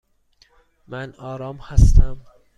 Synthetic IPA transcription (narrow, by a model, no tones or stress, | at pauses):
mænɒːɾɒːmhæst̪æm